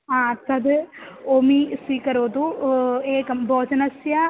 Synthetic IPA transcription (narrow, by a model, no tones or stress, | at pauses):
ãːt̪ɐd̪oːmiːsiːkɐɾoːd̪ueːkɐmbɔːd͡ʒɐnɐsjaː